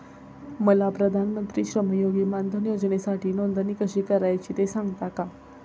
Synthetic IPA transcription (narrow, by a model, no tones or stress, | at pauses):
məlapɾəd̪ʱanmənt̪ɾiːɕɾəməjoɡimand̪ʱənjod͡ʑnesaʈʰiːnond̪ənikəɕiːkəɾajt͡ɕiːt̪esãŋɡt̪aka